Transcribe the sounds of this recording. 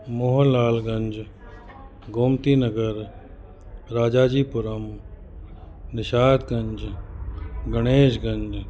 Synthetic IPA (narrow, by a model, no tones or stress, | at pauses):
mʊɦəlaːlɡɐ̃ɲd͡ʒ | ɡoːmt̪iːnəɡəɾ | ɾaːd͡ʒaːd͡ʒiːpʊɾəm | nɪʃaːt̪ɡɐ̃ɲd͡ʒ | ɡɐɽ̃eːʃɡɐ̃ɲd͡ʒ